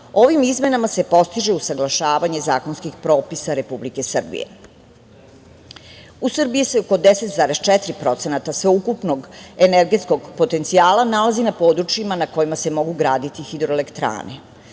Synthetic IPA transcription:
o̞ʋimizme̞namase̞po̞st̪iʒeusaɡlˠaʃaːʋaɲe̞zaːko̞nskixpɾo̞ːpisaɾe̞publike̞sr̩bḭjḛ | usr̩bijiseoko̞d̪eset̪zaːɾe̞st͡ʃɛt̪ɾipɾo̞t̪se̞nat̪asʋeukupnoɡeneɾɡe̞t̪sko̞ɡpot̪e̞nt̪siaːlˠanalazinapo̞ːd̪ɾut͡ʃjimanako̞jimase̞mo̞ɡuɡɾaːd̪it̪ixid̪ɾoelekt̪ɾa̰ːnḛ

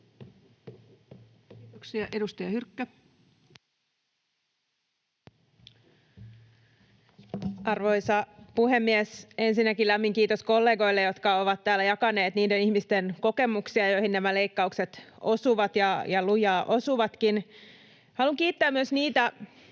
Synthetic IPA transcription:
t̪oksiɑʔedust̪ɑjɑhyrkːæ | ʔɑrʋo̞jsɑpuhe̞mːiese̞nsinːækilæmːiŋkiːt̪osko̞lːe̞ːɡo̞jlːejo̞t̪kɑo̞ʋɑt̪tːæːlːæjɑkɑne̞ːt̪niːdenihmist̪enko̞ke̞muksiɑjo̞jhinːæmæle̞ikːɑukse̞t̪ʔo̞suʋɑt̪jɑjɑlujɑːʔo̞suʋɑt̪kin | hɑluŋkiːt̪ːæːmyøsniːt̪æ

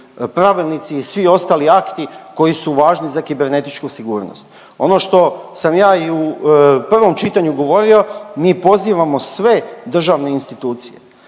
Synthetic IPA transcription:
pɾaʋilˠnit̪siːsʋio̞st̪aːliakt̪iko̞jisuʋaːʒnizakibe̞ɾne̞t̪it͡ʃkusiɡuːɾno̰st̪ | o̞no̞ʃt̪o̞samjaːiupr̩ʋo̞mt͡ʃit̪aɲuɡo̞ʋo̞ɾio̞miːpo̞ziːʋamo̞sʋe̞d̪r̩ʒaʋne̞inst̪it̪uːt̪sije̞̰

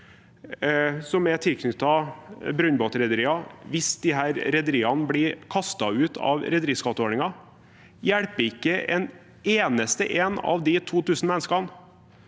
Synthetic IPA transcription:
sɔmɛt̪ʰɪlkʰnʏt̪ːɑbɾʉnboːt̪ɾɛd̪əɾiːɑʋɪsd̪̥ɪɦæːɾɾɛd̪əɾiːɑnbɽɪkʰɑst̪ɑʉːt̪ʰɑ̰ʋɾɛd̪əɾiːskɑt̪ːəoːɳɪŋɑ | jæɽpəɪkːəʔɛ̰n | eːnəst̪ə̰ʔeːnɑ̰ʋd̪ɪt̪ʰuːt̪ʰʉːsn̩mɛnskɑn

